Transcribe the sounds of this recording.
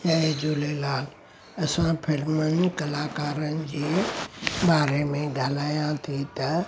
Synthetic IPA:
jaːed͡ʑoːlelaːl | ɐsãpʰɪlmən̆kɐlaːkaːɾənɪ̆d͡ʑeː | baːɾemẽɡʱaːlaːjãt̪ʰit̪ɐ

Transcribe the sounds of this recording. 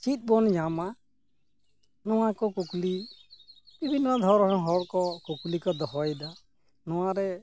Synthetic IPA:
t͡ʃit̪̚ˀbɔnd͡ʒama | nɔwakɔkukli | bibʱinɔd̪ʱɔɾɔɾɔŋɦɔɽkɔkuklikɔd̪ɔɦɔjd̪a | nɔwaɾɛ

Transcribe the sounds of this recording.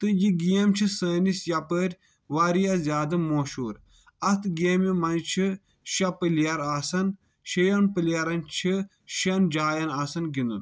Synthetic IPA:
t̪ɨjiɡijɐmt͡ʃʰisəːnisjɐpəːɾʲ | ʋaɾijɐzjaːd̪ɨmoːʃuːɾ | ɐt̪ɡeːmimɐnt͡ʃʰi | ʃɐpɨljɐɾaːsɐn | ʃejɐnpɨlʲjɐɾɐnt͡ʃʰi | ʃɐnd͡ʒaːjɐnaːsɐnɡind̪ṵn

